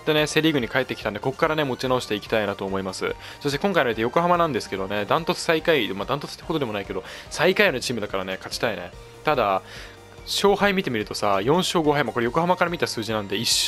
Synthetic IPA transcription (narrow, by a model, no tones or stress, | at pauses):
t̪ːe̞ne̞se̞ɾʲiɡɯ̟ɲ̟ikae̞t̪ːe̞kʲit̪ãnd̪e̞ko̞ko̥kːaɾane̞mo̞t͡ɕinaoɕi̥t̪e̞ikʲi̥t̪ainat̪o̞ːmo̞imasɨ̰ | so̞ɕ̬t̪ekõ̞ŋkainoit̪ejo̞ko̞ɦamanãnd̪e̞sɨ̥ke̞d̪o̞ne̞d̪ãnt̪o̞t͡sɨ̥saikaimad̪ãnt̪o̞t͡sɨ̥i̥t̪ːakot̪od̪e̞mo̞naike̞d̪o̞saikainet͡ɕiːmɯ̟d̪akaɾane̞kat͡ɕi̥t̪aine̞̰ | t̪ad̪a | ɕo̞ːhaimʲit̪e̞mʲiɾɯ̟t̪o̞sajõ̞ɰ̃ɕoːɡo̞ɦaimako̞ɾe̞joko̞hamakaɾamʲit̪asɨːʑinãnd̪e̞iɕ